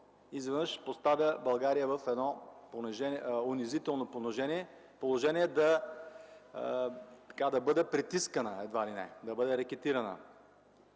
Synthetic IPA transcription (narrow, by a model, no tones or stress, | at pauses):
izvɛnɤʃpost̪avʲjəbɐlˠɡaɾijəvəfɛd̪nɔponɛʒɛnʊnɪzit̪ɛlˠnoponoʒɛniɛ | polˠoʒɛniɛd̪ɐ | t̪ɐ̥kad̪ɐbɤd̪ɛpɾit̪iskənəɛd̪valinɛ̰d̪ɐbɤd̪ɛɾɐkɛt̪iɾɐnə̰